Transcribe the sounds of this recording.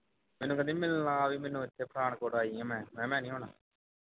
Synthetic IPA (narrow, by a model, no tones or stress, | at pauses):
mẽːnũːkəd̪ĩːmɪləãːʋiːmeːnːũːɪt̪ʰːeːpʰɾaːɳ̃koːɽaːiːɛ̃ːmɛ̃ːmɛ̃ːmɛ̃ːnĩːɦoːna̰ː